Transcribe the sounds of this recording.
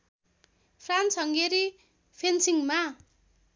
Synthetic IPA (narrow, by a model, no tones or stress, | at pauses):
pʰransʌŋɡeɾi | pʰensiŋma